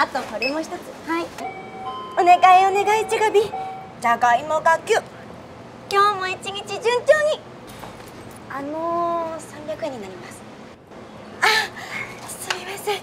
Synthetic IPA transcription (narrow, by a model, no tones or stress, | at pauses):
at̪o̞ko̞ɾe̞mo̞çi̥t̪o̞t͡sɨ̥hai | o̞ne̞ɡaio̞ne̞ɡait͡ɕiɡabʲi | d͡ʑaɡaimoɡakʲɨ | kʲo̞ːmo̞it͡ɕiɲ̟it͡ɕid͡ʑɨ̃ɲt͡ɕo̞ːɲ̟i | anosãmbʲjakɯ̟eɲ̟inaɾʲimasɨ̥ | a | sɨimase